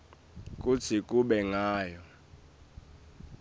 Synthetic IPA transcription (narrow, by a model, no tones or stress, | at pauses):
k̬ʼut͡sʰikʼuɓɛŋaːjɔ